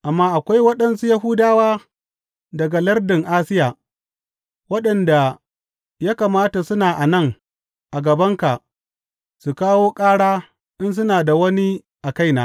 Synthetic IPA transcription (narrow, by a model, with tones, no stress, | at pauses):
ʔa˨mːaː˦ʔa˨kʷa˦jwɐ˦ɗɐ˨nsu˦jɐ˦ɦʊ˦daː˦waː˦ | dɐ˨ɡa˨lɐ˦rdɪ˨ŋʔaː˦sɪ˦jaː˨ | wɐ˦ɗɐ˨nda˨ | jaː˦ka˨maː˦ta˨sʊ˦naː˨ʔa˨nɐ˦˨ŋ | ʔa˨ɡɐ˨bɐ˦ŋka˨ʔ | su˨kaː˦woː˦kʼaː˦ɽaː˦ | ʔɪ˦ns̬ʊ˦naː˨da˨wɐ˦ni˦ | ʔa˨ka˦jnaː˦